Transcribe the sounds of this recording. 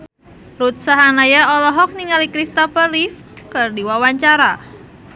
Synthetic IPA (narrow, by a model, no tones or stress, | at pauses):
rut̪̚saɦanajaɔlɔɦɔk̚niŋalikɾist̪ɔpərif | kɨrdiwawaɲt͡ʃaɾa